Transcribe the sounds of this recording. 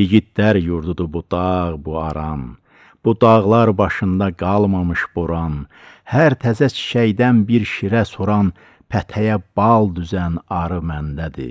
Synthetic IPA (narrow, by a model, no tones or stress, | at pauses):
jiɟit̪̚d̪æɾjuɾd̪ud̪ubud̪̥ɑʁbuɑɾɑn | b̥ud̪ɑʁlˠɑɾbɑʃɯnd̪ɑɡɑlˠmɑmɯʃboɾɑn | hæɾt̪ʰæzæt͡ʃʰi̥ʃæjd̪ænbiɾʃiɾæsoɾɑn | pʰæt̪ʰæjæb̥ɑlˠd̪yzænɑɾɯmænd̪æd̪ḭ